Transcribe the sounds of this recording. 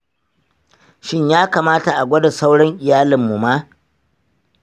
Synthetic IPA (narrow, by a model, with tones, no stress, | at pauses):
ʃɪ˦ɲjaː˦kaː˨maː˦ta˨ʔa˨ɡʷɐ˦da˨sa˦wɽɔ˦ŋʔɪ˨jaː˦lɪ˨mːu˨maː˦